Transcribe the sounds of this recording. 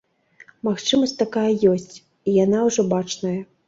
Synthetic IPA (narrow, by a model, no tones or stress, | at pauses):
maxt͡ʂɨmɐsʲt̪akajɐjɔsʲt͡sʲ | ijanawʐɔbat͡ʂnɐjɐ